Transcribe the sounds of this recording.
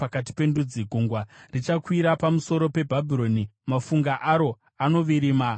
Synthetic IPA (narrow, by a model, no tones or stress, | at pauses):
akat̬i̥pe̞ndud͡ziɡʱuŋɡwarit͡ʃakwiɾapamuso̞ɾo̞pe̞bʱabʱiro̞nimafuŋɡaʔaɾo̞ | ano̞ʋiɾiːma